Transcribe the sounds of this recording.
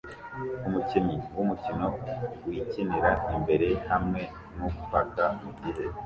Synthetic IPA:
umucimiwumucino̞wiciniɾaimbe̞ɾe̞hamŋe̞ | nukupatamuɟiɦe

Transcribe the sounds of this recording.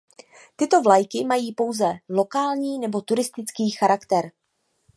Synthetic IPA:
t̪ɪt̪o̞vlajkɪmajiːpo̞wzɛlo̞kaːlɲiːnɛbo̞t̪uɾɪst̪ɪt͡skiːxaɾakt̪ɛɾ

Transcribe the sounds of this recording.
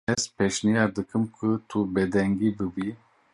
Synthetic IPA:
ɛzpʰɛʃnijad̪ɨkʰɨmkʰut̪ʰubɛd̪ɛŋɡibɨbi

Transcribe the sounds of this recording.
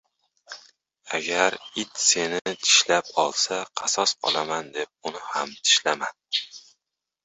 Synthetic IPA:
aɡʲaɾɪt̪se̞nɪɪt̪ʰɪ̥ʃlapɒlˠsaqʰɑsɒsqʰɒ̰lˠamand̪e̞p̚ʊnɪhamt̪ʰɪ̥ʃlaman

